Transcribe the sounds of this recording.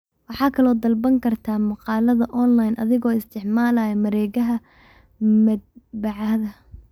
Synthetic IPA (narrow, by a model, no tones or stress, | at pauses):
wɑħɑːkʰɐlɔːd̪ɐlbɐŋkʰɐrt̪ʰaːmɑqɑːlɐðɐʔɔnlajnʔɐðɪɣɔːɪst̪ʰɪʕmaːlɐjɐmɐɾɛːɣɐɦɐ | mɐd̪̚bɑʕɑðɐ